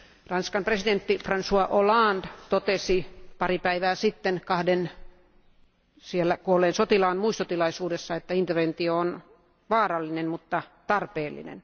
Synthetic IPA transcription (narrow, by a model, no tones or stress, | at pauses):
rɑnskɑmpresident̪ːifrɑnsuɑʔolɑːnd̥̪t̪ot̪esipɑripæiʋæːsit̪ːenkɑhden | sielːækuoleːnsot̪ilɑːnmuist̪ot̪ilɑisuːdesːɑet̪ːæint̪erʋent̪ioon | ʋɑːrɑlːinemmut̪ːɑt̪ɑrpeːlːḭnḛn